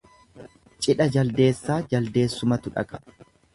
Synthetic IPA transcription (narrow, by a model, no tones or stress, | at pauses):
t͡ʃʼɪᶑɐd͡ʒɐld̪e̞ːsːaːd͡ʒɐld̪e̞ːsːʊmɐt̪ʊᶑɐ̰kʼɐ̥